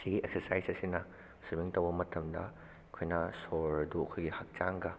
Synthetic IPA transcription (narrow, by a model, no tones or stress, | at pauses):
siɡiek̚sɐɾsajsɐsinɐ | subiŋtɐwbɐmɐtʰɐmdɐ̰ | kʰojnɐsoɾɐdukʰojɡihɐk̚t͡ʃaŋɡɐ